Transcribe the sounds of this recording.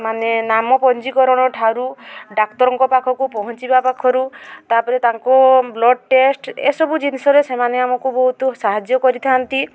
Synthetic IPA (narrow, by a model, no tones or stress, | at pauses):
manenamɔpɔnd͡ʒikɔɾɔɽ̃ɔʈʰaɾuɖak̚t̪ɔɾɔŋkɔpakʰɔkupɔɦɔnt͡ʃibapakʰɔɾut̪apɔɾet̪aŋkɔblɔɖ̚ʈesʈḛsɔbud͡ʒinisɔɾesemaneamɔkubɔɦut̪ɔsaɦad͡ʒjɔkɔɾit̪ʰant̪i